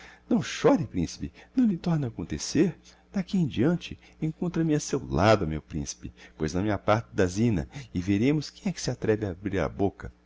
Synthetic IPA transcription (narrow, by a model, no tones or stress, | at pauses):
nɐ̃w̃ʃɔɾɪpɾĩsɪ̥pɪnɐ̃w̃lɪt̪ɔɾnɐːkõnt̪eseɾ | d̪̥akiẽj̃d͡ʒiɐ̃nt͡ʃɪ | ẽkõnt̪ɾɐmɪasewlad̪ʊmḛwpɾḭ̃sɪ̥pɪpojznɐmĩɲɐpaɾt̪ɪd̪ɐzĩnɐ̰ɪveɾẽmʊskẽj̃ɛkɪ̥sɪat̪ɾɛbɪabɾiɾɐ̰bokɐ